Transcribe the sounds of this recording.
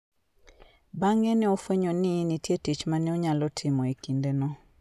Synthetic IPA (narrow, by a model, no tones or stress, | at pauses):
baŋenɛofweɲonɪnitjetit͡ʃmanɛɔɲalɔtʰɪmɔikindenɔ